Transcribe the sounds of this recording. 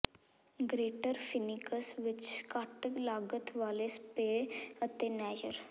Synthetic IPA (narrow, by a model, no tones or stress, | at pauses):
ɡɾeːʈəɾfɪnɪkəsʋɪt͡ʃkaːʈəklaːɡət̪ʰʋaːlespeːət̪enɛːd͡ʒəɾ